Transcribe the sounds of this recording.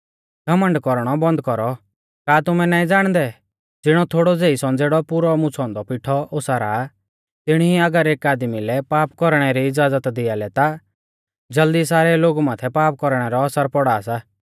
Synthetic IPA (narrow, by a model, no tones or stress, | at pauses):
ɡɐmə̃ɳɖkɔɾɽ̃ɔbɐ̃nd̪kɔɾɔ | kaːt̪ʊmɛ̃naːĩd͡zaːɽ̃d̪ɛ | d͡zɪɽ̃ɔt̪ʰoːɽɔd͡zeːisɔ̃nd͡zeːɽɔpʊɾɔmʊ̃t͡sʰɔ̃ːnd̪ɔpɪʈʰɔʔosaɾa̰ | t̪ɪɽ̃iiɐɡəɾeːkaːd̪milɛpaːpkɔɾɽ̃ɛɾiɪd͡zaːd͡zət̪d̪ɪjalɛt̪a | d͡zɐld̪isaːɾɛloːɡumaːt̪ʰɛpaːp̚kɔɾɽ̃ɛɾɔɐsəɾpɔɽaːsaː